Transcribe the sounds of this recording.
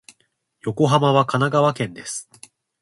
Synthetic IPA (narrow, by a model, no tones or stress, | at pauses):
jo̞ko̞ɦamaβ̞akanaɡaβakẽ̞nd̪e̞sɨ̥